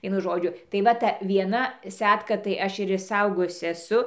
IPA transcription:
ˈʋʲiɛnʊ ˈʒoːd͡ʒʲʊ tɐɪ ˈʋɐ tɐ ʋʲiɛˈnɐ ˈsʲæːtkɐ tɐɪ ˈɐʃ ɪr ɪʃˈsɐʊɡoːjʊsʲɪ ɛˈsʊ

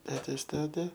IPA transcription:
ˈtʲæːtʲeːs ˈtʲæːtʲɛ

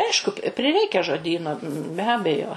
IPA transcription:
ˈɐɪʃkʊ pʲɪ pʲrʲɪˈrʲɛɪkʲɛ ʒoːˈdʲiːnoː bʲɛ ˈɑːbʲɛjoː

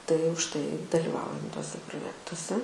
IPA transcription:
tɐɪ ʊʃ ˈtɐɪ dɐlʲɪˈʋɐʊjɛm tuɔˈsʲɛ proːˈjæːktuɔsʲɛ

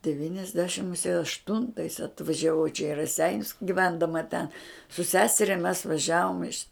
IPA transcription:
dʲɛʋʲiːnʲɛzʲˈdʲæːʃʲɪm mʊˈsʲiɛ ɐʃˈtʊntɐɪs ɐtʋɐʒʲɛˈʋɐʊ t͡ʃʲɛ iː rɐˈsʲɛɪnʲʊs ɡʲɪˈʋʲɛndɐmɐ tʲɛn sʊ ˈsʲæːsʲɛrʲɛ mʲɛs ʋɐˈʒʲæːʋoːm ɪʃ

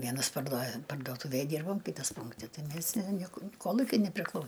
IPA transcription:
ˈʋʲiɛnɐs pɐrduɔ pɐrduɔˈtʊʋʲeːj ˈdʲiːrboːm ˈkʲɪtɐs ˈpʊŋktʲɪ ˈtɐɪ ˈmʲeːs nʲɛ ˈnʲiɛkʊ ˈkoːlˠʊkʲʊɪ nʲɛpʲrʲɪˈklˠɐʊ

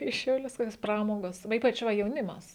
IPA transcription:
iː ʃʲɛʊˈlʲʊs ˈkoːkʲoːs ˈprɑːmoːɡoːs ʋɐ ˈiːpɐt͡ʃ ˈʋɐ jɛʊˈnʲɪmɐs

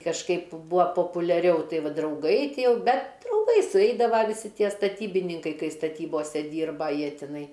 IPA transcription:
kɐʃˈkɐɪp ˈbʊɐ poːpʊlʲɛˈrʲɛʊ ˈtɐɪ ˈʋɐ drɐʊˈɡɐɪ ˈtʲiɛ ˈjɛʊ ˈbʲɛt trʊmˈpɐɪ sʊˈɛɪdɐʋɐ ʋʲɪˈsʲɪ ˈtʲiɛ stɐˈtʲiːbʲɪnʲɪŋkɐɪ ˈkɐɪ stɐˈtʲiːboːsʲɛ ˈdʲiːrbɐ ˈjiɛ tʲɪˈnɐɪ

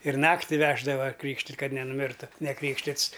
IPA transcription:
ɪr ˈnɑːktʲɪ ˈʋʲæːʒdɐʋɐ ˈkrʲiːkʃʲtʲɪtʲ kɐt nʲɛnʊˈmʲɪrtʊ nʲɛˈkrʲiːkʃʲtʲɪts

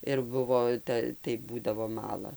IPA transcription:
ɪr ˈbʊʋoː ˈtɐ tɐɪ ˈbuːdɐʋoː ˈmɑːlˠɐ

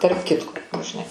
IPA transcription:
tɐrp ˈkʲɪtkoː nʊ ʒʲɪˈnɐɪ

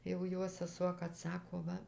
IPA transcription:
jɛʊ ˈjoː sʲɛˈsuɔ kɐt ˈsɑːkoː ˈʋɐ

